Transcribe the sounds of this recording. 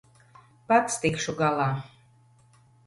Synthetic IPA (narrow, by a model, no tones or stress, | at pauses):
pat̪st̪ikʃuɡɑlˠɑ